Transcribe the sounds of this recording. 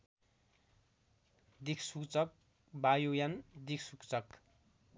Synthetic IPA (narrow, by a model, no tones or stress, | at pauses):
d̪ikʰsukt͡sʌk̚ | bajojand̪ikʰsukt͡sʌk